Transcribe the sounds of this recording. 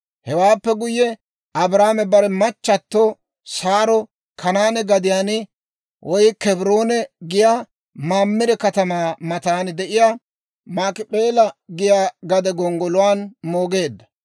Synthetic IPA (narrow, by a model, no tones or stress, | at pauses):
hɛwaːpːɛɡʊjːɛ | ɐbɾaːmɛbɐɾɛmɐt͡ʃːɐt̪ːo | saːɾɔ | kʰɐnaːnɛɡɐd̪ɪjaːnɪ | wʔɔjkɛbɾo̞ːnɛɡɪja | maːmːɪɾɛkɐt̪ɐmaːmɐt̪aːnd̪ɛʔɪja | maːkɪpʼeːlɐɡɪjaːɡɐd̪ɛɡɔŋɡɔlʊwaːnmo̞ːɡe̞ːd̪ːɐ